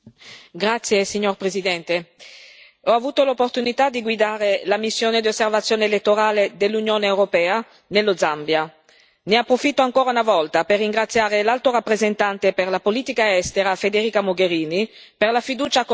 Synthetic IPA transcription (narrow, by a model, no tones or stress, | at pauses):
ɡɾat̪sːjesiɲːorpɾezid̪ɛnt̪e | ɔavuːt̪olopːort̪unit̪ad̪iɡwid̪aːɾelamisːjoːned̪iosːervat̪sːjoːneːlet̪ːoɾaːled̪elːunjoːneːwɾopɛːa | nelːod̪zambja | neapːɾofit̪ːoaŋkoːɾaunavɔlt̪aperːiŋɡɾat̪sːjaːɾelalt̪oɾapːɾezent̪ant̪eperlapoliːt̪ikaɛst̪eɾafed̪eɾiːkamoɡeɾiːniperlafid̪uːt͡ʃak